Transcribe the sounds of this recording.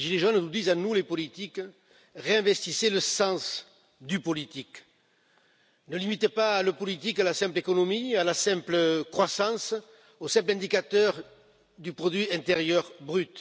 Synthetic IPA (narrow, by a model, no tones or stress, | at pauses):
ʒileʒɔnnud̪izãnulepɔlit̪ik | ʁeɛ̃vɛst̪iseləsɑ̃s | d̪ypɔlit̪ik | nəlimit̪epaːləpɔlit̪ikalasɛ̃mplekɔnɔmialasɛ̃mpləkχwasɑ̃s | osɛ̃mp̬lɛ̃nd̪ikat̪œʁ | d̪ypχɔd̪ɥiɛ̃nt̪eʁjœʁbʁyt̪